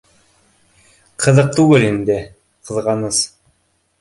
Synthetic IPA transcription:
qʰɤ̆ðɤq̚t̪ʉɡɘlind̪ɘ | qʰɤ̆ðʁɑnɤs

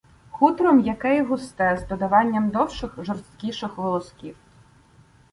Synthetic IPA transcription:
xut̪ɾɔmjɐkɛjɦʊst̪ɛzd̪ɔd̪ɐʋɑnʲːɐmd̪ɔwʃɪxʒɔrst̪kʲiʃɪxʋɔlˠɔskʲiw

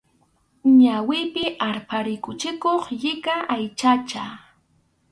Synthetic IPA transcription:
ɲawɪpɪʔaɾpaɾɪkʊt͡ʃɪkoχʎɪkaʔajt͡ʃat͡ʃa

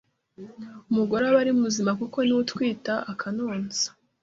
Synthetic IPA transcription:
umuɡo̞ɾaβaɾimumuzimakuko̞niwutwiːtaʔakʰanoːnzḁ

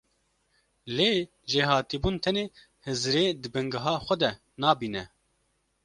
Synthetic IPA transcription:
leː | ʒeːɦɑːt̪iːbuːnt̪ʰɛneː | hɨzɾeːd̪ɨbɨŋɡɨɦɑːxʷɛd̪ɛ | nɑːbiːnɛ

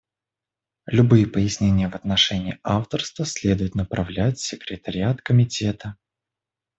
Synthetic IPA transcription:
lʲʊbɨjəpəjɪsʲnʲenʲɪjəvɐt̪nɐʂɛnʲɪːaft̪ərst̪vəsʲlʲe̞d̪ʊjɪt̪nəpɾʔɐvlʲætʲsʲɪkɾʲɪt̪əɾʲɪat̪kəmʲɪtʲet̪ə

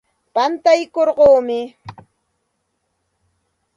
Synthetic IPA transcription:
pant̪ajkoɾɢoːmɪ

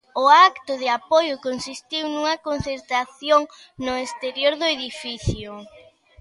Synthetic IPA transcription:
ʊakt̪ʊðɪapojʊkonsist̪iwnuŋɐkon̟θeɾt̪ɾaθjoŋ | nʊest̪eɾjoɾðʊeðifiθjʊ

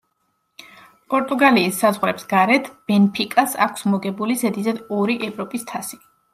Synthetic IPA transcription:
pʼɔɾt̪ʼuɡaliːsːazʁɾɛpsɡ̥aɾɛt̪ʰb̥ɛnpʰikʼasa̰kʰsmɔɡɛbulizɛd̪izɛd̪ɔɾiʔɛvɾɔpʼist̪ʰasi̥

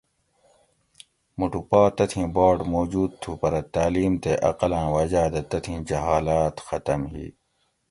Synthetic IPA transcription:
muʈupaːt̪ɐt̪ʰĩːbaːɖmoːd͡ʑuːd̪̚t̪ʰupɐɾɐt̪aːliːmt̪eʔɐ̰qɐlãːwɐd͡ʑaːd̪ɐt̪ɐt̪ʰĩːd͡ʑɐɦaːlaːt̪xɐt̪ɐmɦḭː

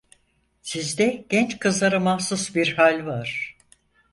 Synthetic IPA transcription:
sizd̪ɛɟ̥ɛnt͡ʃkʰɯzlˠaɾɯmahsusbiɾhalʲvaɾ̥

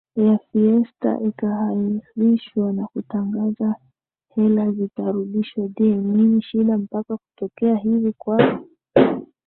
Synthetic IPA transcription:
jafiɛsta̰ʔikaɦaiɾiʃwanakutaŋɡaza | hɛlazitaɾuɗiʃwadiɛminiʃiɗam̩pakakutɔkɛaɦivikwaa

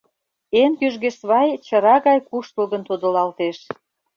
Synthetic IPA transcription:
enkyʒɣeʃβɑjt͡ɕə̆ɾɑɣɑjkuʃt̪əlɣə̆nt̪od̪ə̆lɑlt̪eʃ

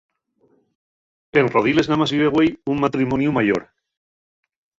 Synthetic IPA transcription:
enroð̞ile̞znamaziβeɣwejummat̪ɾimonjumaʝo̰ɾ

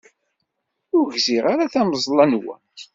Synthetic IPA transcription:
ʊɾʝziʁaɾaθæməzˤlˤɑnwæ̰n

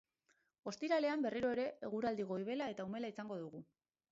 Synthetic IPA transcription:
o̞st̪iɾale̞ambe̞riɾo̞eɾe̞eɣ̞uɾald̪iɣ̞o̞iβ̞e̞lae̞t̪aume̞laisaŋɡo̞ðuɣ̞u

